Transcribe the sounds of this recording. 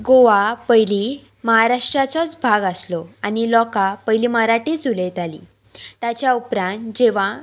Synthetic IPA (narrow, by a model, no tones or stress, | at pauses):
ɡoʋapəjli | məɦaɾaʂʈɾat͡sɔt͡sbʱaɡaslɔanilɔkapəjliməɾaʈiːd͡zulejt̪alḭː | t̪at͡ɕjaupɾãnt̪d͡ʑeʋ̤a